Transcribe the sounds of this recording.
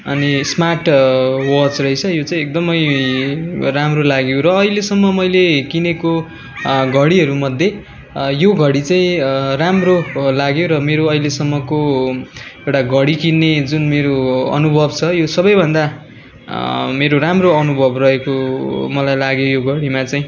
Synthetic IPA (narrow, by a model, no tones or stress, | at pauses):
ʌnismaʈwʌt͡srʌɦet͡sʰʌjot͡saĩek̚d̪ʌmʌj | ramrolaɡjoɾʌːilesʌmːʌmʌjlekineko | ɡʱʌɽiɦʌɾumʌd̪ʱje | joɡʱʌɽit͡saĩramrolaɡjoɾʌmeɾoʌilesʌmːʌko | ewʈaɡʱʌɽikinːed͡zunmeɾoʌ̰nubʱʌbt͡sʰʌjosʌbʌjbʱʌnd̪a | meɾoɾamroʌnubʱʌbrʌɦekomʌlajlaɡjojoɡʱʌɽimat͡saĩ